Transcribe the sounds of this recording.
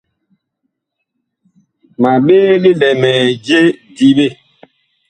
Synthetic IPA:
ma˨ɓeː˦li˦lɛ˨mɛ˨d͡ʒe˦di˨ɓe˦˨

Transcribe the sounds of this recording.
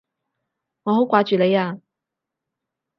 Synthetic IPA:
ŋɔː˨˧ɦo˨˥kʷaː˧t͡ʃyː˨le˨˧jaː˧

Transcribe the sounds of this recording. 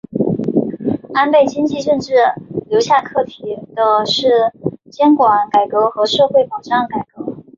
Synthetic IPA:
a˥npe˥˩ɪt͡ɕi˥ŋt͡ɕi˥˧ʈ͡ʂə˥˧nʈ͡ʂɻ̩˥˩ljo˧˥ʊɕja˥˧kʰɤ˥˩t̪ʰi˨˩d̪̥ə˧ʂɻ̩˥˩t͡ɕjɛ˥nkwa˧˩˥nka˨˩ɪkɤ˧˥xɤ˧˥ʂɤ˥˧xwe˥˩ɪpɑ˨˩ʈ͡ʂɑ˥˩ŋka˨˩ɪkɤ˧˥

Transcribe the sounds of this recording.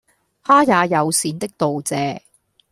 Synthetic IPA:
haː˥jaː˨˧jɐ˨˧wsiː˨˧nt̪ɪ˥k̚t̪o˨wt͡sɛː˨˧

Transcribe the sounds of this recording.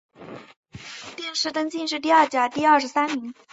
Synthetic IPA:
t̪jɛ˥˧nʂɻ̩˥˩t̪ɤ˥ŋt͡ɕi˥˧nʂ̬ɻ̩˥˧t̪̬i˥˧ɐ˞˥˩t͡ɕja˨˩t̪i˥˧ɐ˥˧ʂɻsa˥nmi˧˥ŋ

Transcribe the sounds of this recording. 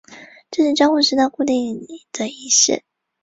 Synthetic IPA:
ʈ͡ʂɤ˥˧ʂ̩˥˩ʈ͡ʂjɑ˥ŋxu˥˧ʂɻ̩˥˧na˥˧ku˥˧t̪i˥˩ŋni˨˩d̪̥ə˨˦i˧˥ɕɛ̰˥˩

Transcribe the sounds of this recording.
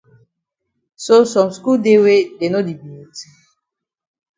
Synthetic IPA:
so˦sɔ̃˨msku˦lde˦we˦de˨no˦di˨bi˨i˨t

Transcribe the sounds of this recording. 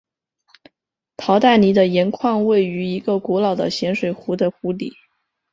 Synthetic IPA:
t̪ʰɑ˧˥ʊt̪a˥˩ɪni˧˥d̪ə˧jɛ˧˥nkʰwɑ˥˧ŋwe˥˩ɪy˧˥i˧˥ɡə˧kwɔ˧˥lɑ˨˩ʊd̪ə̰˦ɕjɛ˧˥nʂwe˨˩ɪxu˧˥d̪ə˧xu˧˥lḭ˨˩˦

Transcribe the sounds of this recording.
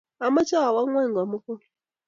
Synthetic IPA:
a˨ma˦t͡ʃa˦a˨wa˦ŋwɛ˦˨ŋɡa˨mu˦ku˦˨l

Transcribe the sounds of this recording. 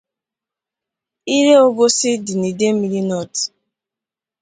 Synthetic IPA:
i˦ɾe˦o˦bo˦sɪ˦di˨ni˨de˦m̩˦i˨li˦nɔ˦˨t

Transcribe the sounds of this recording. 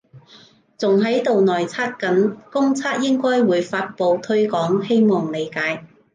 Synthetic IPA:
t͡sʊ˨ŋɦɐ˨˥jt̪o˨wnɔː˨jt͡sʰaː˥t̚kɐ˨˥nkʊ˥ŋt͡sʰaː˥t̚jɪ˥ŋkɔː˥jwuː˨˧˥jfaː˧t̚po˨wt̪ʰɵ˥ɥkɔː˨˥ŋhe˥jmɔː˨˩ŋle˨˧jkaː˨˥j

